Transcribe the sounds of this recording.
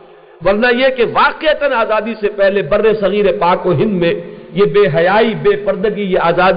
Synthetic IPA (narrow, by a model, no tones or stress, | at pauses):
ʋɐɾnajekeʋaːqet̪ənaːzaːd̪isepɛɦlebɐɾːesɐɣiːɾepaːkoɦɪ̃nd̪mẽjebeːɦɐjaːibeːpɐɾd̪əɡijeaːzaːd̪